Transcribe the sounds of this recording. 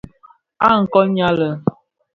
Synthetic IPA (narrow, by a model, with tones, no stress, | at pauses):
a˦˨ŋ̩˨kɔ˦ɲa˦lə˨